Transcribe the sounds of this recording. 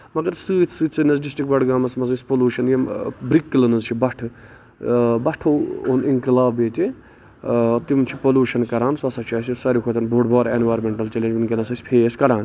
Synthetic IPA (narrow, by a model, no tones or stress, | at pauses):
mɐɡɐɾsɨːt̪ʰsɨːt͡sɨnɐzɖisʈik̚bɐɖɡaːmɐsmɐzɨnspoluːʃɐnjɐmbɾikːilɐnɐzt͡ʃʰibɐʈʰɨ | bɐʈʰooniŋkilaːbeːt̪i | t̪imt͡ʃʰipoluːʃɐnkɐɾaːnsɐsɐt͡ʃʰɐːsʲisɐɾʲukʰot̪ɐnbʱoːʈbaːɾenʋaːɾmeɳʈɐlt͡ʃɐled͡ʒʋinkelɐsɐsʲpʰeːskɐɾaːn